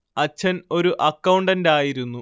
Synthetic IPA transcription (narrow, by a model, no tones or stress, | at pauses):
ɐt͡ɕːɐno̞ɾuʔɐkːɐwɳɖɐndaːjiɾunːu